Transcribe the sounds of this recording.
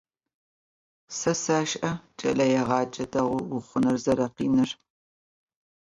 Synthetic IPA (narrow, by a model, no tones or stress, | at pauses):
sɐsaːʃʼʔɐt͡ʃʼɐ̰lɐjɛʁɑːd͡ʒɐdɐʁʷʊɡʷʊχʷʊnɐrzɐɾɐqḭːnɨr